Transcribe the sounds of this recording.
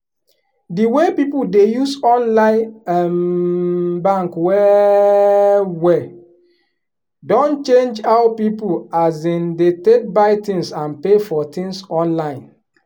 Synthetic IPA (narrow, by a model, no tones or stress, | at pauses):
diwepipudejusɔ̃nlãɪ̃nɛm | bãŋkwɛ | wɛ | dõnt͡ʃẽnd͡ʒaʊpipuazĩndetek̚baɪtĩŋsãnpefɔtĩŋsɔ̃nlãɪ̃n